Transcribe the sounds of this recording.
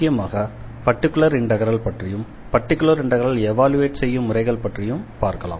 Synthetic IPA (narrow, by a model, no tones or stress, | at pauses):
kːɪjɐmaːɣɐ | pɐʈːɪkːɯlɭɐɾɪɳɖɐɣɐɾɐɭpɐʈrɪjɯm | pɐʈːɪkːɯlɐɾɪɳɖɐɣɐɾɐlɛʋaːlɯʋeːʈsɛjːɯmːʊrɐɪɣɐɭpɐʈrɪjɯmpaːɾkɐla̰ːm